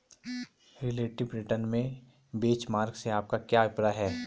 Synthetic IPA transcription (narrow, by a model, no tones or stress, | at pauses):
ɾɪleːʈɪbɾɪʈənmẽ | beːt͡ʃmaːɾɡseaːp̚kakjaːʋɪpɾaɦɛː